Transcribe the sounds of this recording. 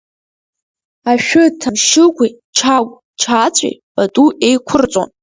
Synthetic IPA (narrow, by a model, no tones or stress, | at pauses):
aʃᶣʊtʰamʃɪɡʷi | t͡ʃʰa | t͡ʃʰat͡sʷʼḭbʼatʼuʔe̞jkʷʰʊrt͡sʷʼo̰n